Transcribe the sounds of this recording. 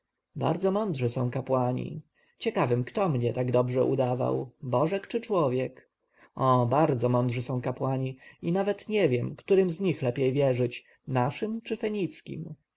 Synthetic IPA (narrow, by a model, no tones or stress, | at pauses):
ba̰ɾd̪zɔmɔnd̪ʐɘsɔ̃w̃kapwaɲḭ | t͡ɕɛkavɘmkt̪ɔmɲɛt̪aɡd̪ɔbʐɛʔṵd̪ava̰wbɔʐɛkt͡ʂɘt͡ʂwɔvʲjɛk | ɔbaɾd̪zɔmɔ̃nd̪ʐɘsɔ̃w̃kapwaɲiinavɛt̪ɲɛvʲjɛmkt̪uɾɘmzɲixlɛpʲjejvʲjɛʐɘt͡ɕ | naʂɘmt͡ʂɘfɛɲit̪skʲḭm